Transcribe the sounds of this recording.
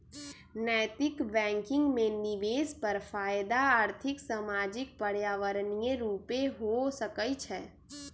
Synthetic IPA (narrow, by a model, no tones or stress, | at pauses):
nɛːt̪ɪkbɛ̃ːŋkɪ̃ŋɡmẽnɪʋeːspəɾfʰaːjd̪aaːɾt̪ʰɪksamaːd͡ʒɪk̚pəɽ̤jaːʋəɾnijeɾuːpeɦosəkəjt͡ʃʰɛː